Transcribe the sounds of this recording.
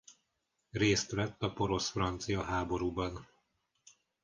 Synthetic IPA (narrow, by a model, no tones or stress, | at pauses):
reːst̪ʋɛt̪ːɒpo̞ɾo̞sfrɒnt̪sijɒɦaːbo̞ɾuːbɒn